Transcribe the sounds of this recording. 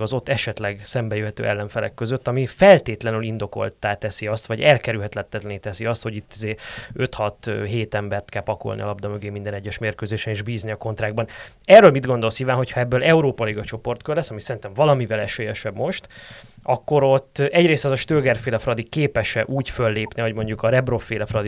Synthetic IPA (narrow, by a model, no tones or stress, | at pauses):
ɒzo̞t̪ːɛʃɛt̪lɛɡsɛmbɛjøɦɛt̪ø̰ːʔɛ̰lːɛɱfɛlɛ̰kːøzøt̪ːɒmifɛlt̪eːt̪lɛnylind̪o̞ko̞̰lt̪aːt̪ɛsiɒst̪vɒɟɛlkɛɾylɦɛt̪lɛt̪ːɛt̪lɛnit̪ɛsiɒst̪ho̞ɟit̪ːizeːø̞t̪hɒt̪ɦeːt̪ɛmbɛrt̪kɛlpɒko̰lniɒlɒbd̪ɒmøɡeːmind̪ɛnɛɟːɛʃmeːrkøːzeːʃɛneːʒbiːzniɒko̞nt̪raːɡ̚bɒn | ɛrːøːlmid̪ɡo̞nd̪o̞lsiːvaːnɦo̞cʰhɒɛbːølɛuɾoːpɒliɡɒt͡ʃo̞po̞rt̪kølːɛsːɒmisɛɾint̪ɛɱvɒlɒmivɛlɛʃøːjɛʃɛbmo̞ʃt̪ɒkːo̞ɾo̞t̪ːɛɟreːst̪ɛzɒʃt̪øːɡɛrfeːlɛfrɒd̪ikeːpɛʃɛʔuːcfølːeːpniho̞ɟmo̞ɲɟukɒɾɛbrofeːlɒfrɒd̪i